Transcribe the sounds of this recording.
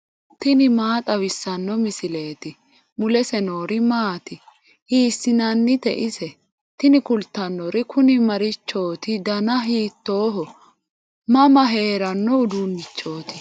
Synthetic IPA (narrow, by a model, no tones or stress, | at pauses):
t̪ɪnɪmaːt̪ʼɐwɪsːɐnːɔmɪsɪle̞ːt̪ɪ | mʊlɛsɛnoːɾɪmaːt̪ɪ | hiːsːɪnɐnːɪt̪ɛ̰ʔɪsɛ | t̪ɪnɪkʊlt̪ːɐnːɔɾɪkʰʊnɪmɐɾɪt͡ʃːo̞ːt̪ɪd̪ɐnɐɦiːt̪ːo̞ːɦɔ | mɐmɐɦe̞ːɾɐnːɔʊd̪unːɪt͡ʃːo̞ːt̪ɪ̥